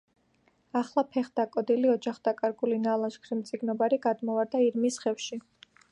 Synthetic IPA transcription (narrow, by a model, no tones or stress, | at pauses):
aχlˠapʰɛχd̪̥akʼɔd̪iliɔd͡ʒaχd̪̥akʼaɾɡulinalˠaʃkʰɾimt̪sʼiɡnɔbaɾiɡad̪mɔvaɾd̪aiɾmisχɛfʃi